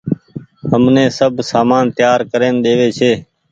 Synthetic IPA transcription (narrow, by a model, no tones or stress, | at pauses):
ɦəmnẽːsəbʱsaːmaːnt̪jaːɾkəɾeːnɗ̪eːʋeːt͡ʃʰeː